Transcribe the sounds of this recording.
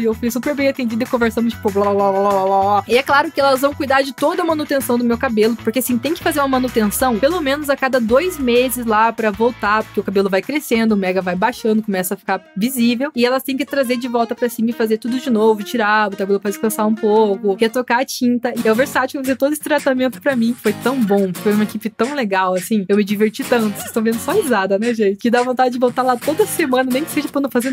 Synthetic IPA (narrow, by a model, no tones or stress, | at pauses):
ɪewfujsupeɾbẽj̃at̪ẽd͡ʒid̪ʊɪkõveɾsɐ̃d̪ʊt͡ʃi̥pʊblablababaaaɪɛklaɾʊkɪɛlɐɐzvɐ̃w̃kujd̪aɾd͡ʒɪt̪od̪ɐmɐ̃nut̪ẽsɐ̃w̃d̪ʊmewkabelʊpoɾkeasĩt̪ẽj̃kɪ̥fazeɾũmɐmɐ̃nut̪ẽsɐ̃w̃pelomẽnʊzakad̪ɐd̪ojzmezɪzlapɾɐvowt̪apoɾkʲeʊkabelʊvajkɾesẽnd̪ʊːmɛɡɐvajbaʃɐ̃nd̪ʊkõmɛsɐːfi̥kaɾvizivewɪɛlɐst̪ẽj̃kɪt̪ɾazeɾd͡ʒɪvɔwt̪ɐpɾɐsĩmɐfazeɾt̪ud̪ʊd͡ʒɪnovʊt͡ʃiɾaʊkabelʊpfajdɪskɐ̃saũpowkʊkɛt̪okaːt͡ʃĩnt̪ɐɪɛwveɾsat͡ʃʊkɪfazeɾt̪od̪ʊesɪ̥t̪ɾat̪amẽnt̪ʊ̥pɾɐmĩɪ̥fojt̪ɐ̃w̃bõɾkɪfojumɐekipɪt̪ɐ̃w̃leɡawɐsĩewmɪd͡ʒiveɾt͡ʃit̪ɐ̃nt̪ʊsez̥ɪ̥st̪ɐ̃vẽnd̪ʊsɔizad̪ɐnɛʒẽt͡ʃɪ̥kɪd̪avõt̪ad͡ʒɪd͡ʒɪvowt̪aɾlat̪od̪ɐsemɐ̃nɐnẽj̃kɪ̥seʒɐpɾɐ̃nɐ̃fazeɾ